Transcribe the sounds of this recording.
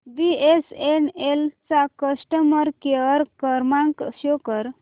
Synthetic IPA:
biesenelt͡sakəsʈəməɾkeəɾkəɾmaŋkɕokəɾ

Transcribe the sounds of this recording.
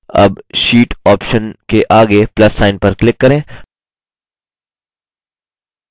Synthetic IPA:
ɐ̰bʃiːʈɔːpʃənkeʔaːɡeplɐsːaːɪnpɐɾklɪkːɐɾẽː

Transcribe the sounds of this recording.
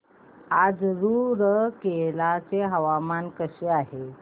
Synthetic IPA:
ad͡zɾuɾəkelat͡seɦəʋamankəɕeaɦe

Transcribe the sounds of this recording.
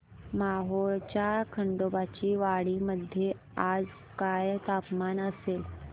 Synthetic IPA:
maɦoɭt͡ɕjakʰəɳɖobat͡ɕiːʋaɽiməd̪ʱːje | ad͡z | kajt̪apmanəsel

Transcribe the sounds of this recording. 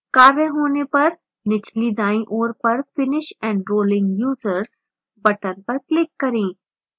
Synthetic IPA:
kaːɾəɦoːnepɐɾ | nɪt͡ʃlid̪ãːĩʔoːɾpɐɾfɪnɪʃɛ̃ːɳɖɾoːlɪ̃ŋɡjuːzəɾz | bɐʈənpɐɾklɪkːɐɾẽː

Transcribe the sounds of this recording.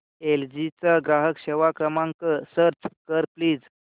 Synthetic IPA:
eld͡ʑit͡saɡɾaɦəkɕeʋakɾəmaŋkəsəɾt͡skəɾpliːd͡z

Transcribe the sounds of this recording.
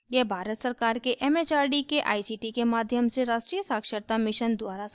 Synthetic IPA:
jebʱaːɾət̪səɾkaːɾkeʔeːmeːt͡ʃaːɾɖikeʔa̰ːisiːʈikemaːd̪ʱjəmseɾaːʃʈɾijəsaːkʃəɾt̪amɪʃənd̪waːɾas

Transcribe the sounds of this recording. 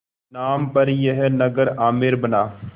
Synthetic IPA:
naːmpɐɾjeɦɛnɐɡəɾaːmɪɾbɐnaː

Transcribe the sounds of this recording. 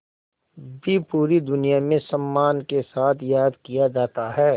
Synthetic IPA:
bʱipuːɾid̪ʊnijamẽsɐmːaːnkesaːt̪ʰjaːd̪kijad͡ʒaːt̪aɦɛː

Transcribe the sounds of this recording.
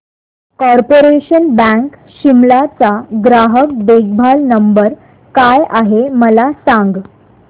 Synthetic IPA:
kɔɾpoɾeɕənbə̃k | ɕimlat͡saɡɾaɦək̚d̪eɡ̚bʱalnəmbəɾ | kajaɦeməlasaŋɡ

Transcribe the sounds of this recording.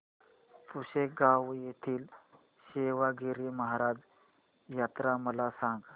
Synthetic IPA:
puɕek̚ɡaʋjet̪ʰiːl | ɕeʋaɡeɾiməɦaɾad͡z | jat̪ɾaməlasãŋɡ

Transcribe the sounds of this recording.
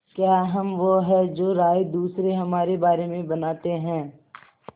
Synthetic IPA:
kjaːɦɐmʋoɦɛd͡ʒoːɾaːjd̪uːsɾeɦɐmaːɾebaːɾemẽbɐnaːt̪eɦɛ̃ː

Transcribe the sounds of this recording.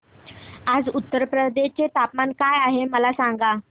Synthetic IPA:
ad͡zut̪ːəɾpɾəd̪et͡ɕet̪apmankajaɦeməlasaŋɡa

